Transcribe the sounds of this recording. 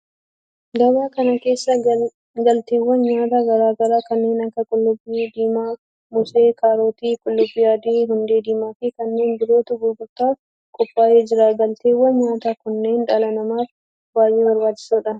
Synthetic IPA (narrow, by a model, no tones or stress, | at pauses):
ɡɐbaːkɐnɐke̞ːsːɐ | ɡɐlt̪eːwːɐnɲaːt̪aːɡɐɾaːɡɐɾaːkɐnːe̞ːnɐkːɐkʼʊlːʊbːiːd̪iːmaː | mʊseːkaːɾoːt̪iːkʼʊlːʊbːɪjaːd̪eːɦʊnd̪e̞ːd̪iːmaːfikɐnːe̞ːnbɪɾo̞ːt̪ʊɡʊɡʊɾt̪aː | kʼɔpːaːjeːd͡ʒɪɾaːɡɐlt̪eːwːɐnɲaːt̪aːkʊnːe̞ːnᶑɐlɐnɐmaːf | baːjʔeːwɐɾbaːt͡ʃːɪ̥suːᶑɐn